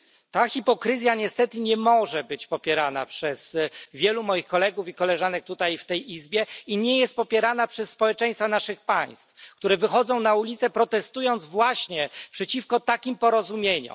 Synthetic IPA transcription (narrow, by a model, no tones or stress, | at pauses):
t̪axʲipɔkɾɘzʲjaɲɛst̪ɛt̪ɘɲɛmɔʐɛbɘt͡ɕpɔpʲjɛɾana̰pʂɛzvʲjɛlumɔjixkɔlɛɡufikɔlɛʐanɛk̚t̪ut̪ajft̪ɛjizbʲjɛiɲɛjɛst̪̚pɔpʲjɛɾanapʂɛsːpɔwɛt͡ʂɛ̃j̃st̪fanaʂɘxpaj̃st̪fk̚t̪uɾɛvɘxɔd̪zɔ̃w̃naulʲit̪sɛpɾɔt̪ɛst̪ujɔnd̪zvwaɕɲɛpʂɛt͡ɕifkɔt̪akʲimpɔɾɔzumʲjeɲṵ